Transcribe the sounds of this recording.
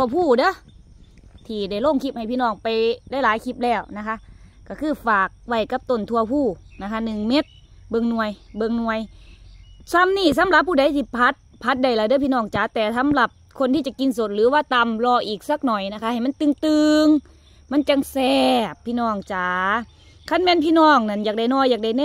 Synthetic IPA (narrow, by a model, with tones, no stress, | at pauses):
u˧ɐpʰuː˧˩dɤ˧˥˨ | t̪ʰiː˧˩da˧˩jloː˧˩˨ŋkʰi˧˩p̚ha˨˩jpiː˧˨nɔː˧˩ŋpa˨jda˧˩˨jlaː˨˦jkʰi˧˩p̚lɛː˧˩wna˧˩kʰa˧˥ʔka˧˩kʰɯː˧˩faː˨˩k̚wa˧˩jka˧˦p̚t̪o˧˩˨nt̪ʰu˧ɐpʰuː˧˩na˧˩kʰa˧˥nɯ˨˩ŋme˧˥t̪̚ | bɤ˧˨ŋnu˧əjbɤ˧˨ŋnu˧əj | sa˧˥˨mniː˧˥˩s̬a˨˦mla˧˦p̚ːuː˧˩da˨˦˨jt̪ʰiː˧˩pʰa˦˥t̪̚pʰa˧˦˥t̪̚da˧˩jlaː˧˦dɯ˧˨pʰiː˧˨nɔː˧˩ŋt͡ɕaː˨˦t̪ɛː˨˩sa˧˦˥mla˧˦p̚kʰo˧˨nt̪ʰiː˧t͡ɕa˧˩ki˧nso˧˦t̪̚lɯː˨˦waː˧˨t̪a˧mlɔː˧˩ʔiː˨˩k̚sa˧˩k̚nɔː˨˩jna˧kʰa˧˥hjma˥˨nt̪ɯ˧˨ŋt̪ɯː˧ŋ | ma˧˥˨nt͡ɕa˧˨ŋsɛː˧pʰːiː˧˨nɔː˧˩ŋt͡ɕaː˨˦ | kʰa˧˥˨nmɛː˧˥˨npʰiː˧˨nɔː˧˩ŋna˧˩˨njaː˨˩k̚a˧˩jnɔː˧˩jːaː˨˩k̚da˧˩jnː˧˨